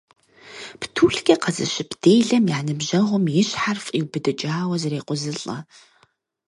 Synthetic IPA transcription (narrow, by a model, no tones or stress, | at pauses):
ptʰuːɬɡʲɐqɐzɨ̰ɕɪpd̥eːjɮɐmjaːnɨbʑɐʁʷʊmjɪɕħarfʼiwbɨdɨt͡ʃʼaːwɐzɐɾeːqʷʊzɨɬʼɐ̰